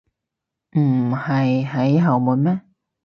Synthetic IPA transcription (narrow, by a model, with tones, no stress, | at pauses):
m̩˨˩hɐ˨jɦɐ˨˥jɦɐ˨˩wmuː˨˧˥nmɛː˥